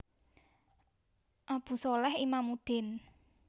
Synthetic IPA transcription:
ʔab̥ṳsɔlɛhimamud̪̥ɪ̤n

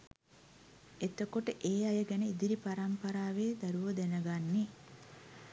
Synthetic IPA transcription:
et̪okoʈəʔeːɐjɐɡɛneid̪iɾipɐɾɐmpɐɾaːʋeːd̪ɐɾuʋɐd̪enɐɡanːi

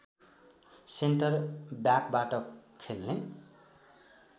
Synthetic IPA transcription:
senʈʌrbjakbaʈʌkʰelne

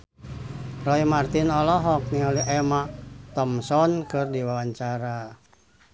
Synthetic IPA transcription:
rɔimart̪inɔlɔɦɔk̚niŋaliʔɛmat̪ɔmsɔnkɨrdiwawaɲt͡ʃaɾa

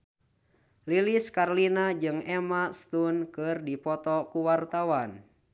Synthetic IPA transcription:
liliskarlinad͡ʒɨŋɛmast̪unkɨrdipɔt̪ɔkuwart̪awan

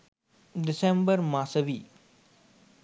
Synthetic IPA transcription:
ɖɪsẽmbəɾmaːsəʋiː

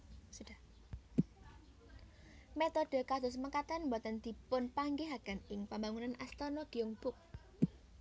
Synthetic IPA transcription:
suda | met̪ɔɖ̥ə̤kasʊ̤s̬makat̪anmbɔt̪ənd̪̥i̤pʊnpaŋɡeɦaɡ̥anɪŋpambaŋunanʔast̪ɔnɔɡ̥iʊŋb̥ʊk̚

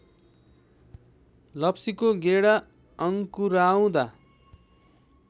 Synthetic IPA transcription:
lʌpsikoɡeɽa | ʌŋkuɾaw̃d̪a

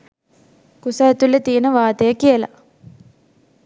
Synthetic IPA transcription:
kusɐet̪ulːet̪iːnəʋaːt̪əjəkijəla̰

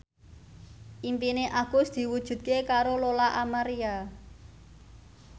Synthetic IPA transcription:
ʔimpineʔaɡ̥ʊ̤sd̪̥i̤wud̥ʒ̥ṳt̪̚kekaɾololaʔamaɾia

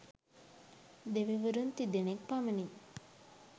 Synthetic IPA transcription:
d̪eʋiʋəɾunt̪id̪enek̚paməni

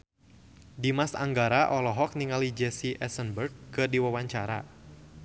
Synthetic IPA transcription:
dimasa̰ŋɡaɾaʔɔlɔɦɔk̚niŋalid͡ʒɛsiʔɛsənbərɡ̚ːɨrdiwawaɲt͡ʃaɾa̰

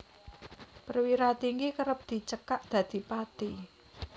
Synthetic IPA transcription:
pərwiɾat̪iŋɡikəɾəp̚d̪̥i̤t͡ʃəkaʔd̪̥ä̤d̪̥i̤pat̪i

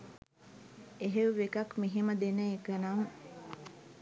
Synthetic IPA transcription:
eɦeʋʋekɐkmiɦiməd̪enəekənam

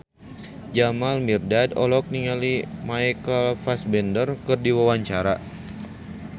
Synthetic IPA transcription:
d͡ʒamalmirdadɔlɔk̚niŋalimajkəlfasbɛndərkɨrdiwawaɲt͡ʃaɾa

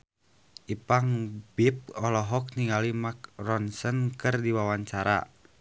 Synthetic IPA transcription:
ʔipaŋbip̚ɔlɔɦɔk̚niŋɡalimak̚rɔnsənkɨrdiwawaɲt͡ʃaɾa̰

